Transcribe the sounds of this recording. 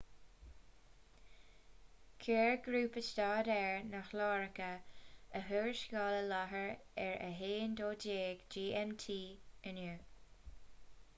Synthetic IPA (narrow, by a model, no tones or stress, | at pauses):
kʰɛːɹɡɾuːpəst̪ɑːdɛɹnaxlɑːɹəkəəɦøːɹʃɡɑːləlaɦəɹɛɹə̰ɦeːnd̪oːdeːɡ̥d͡ʒiːʔɛmtʰiːənuː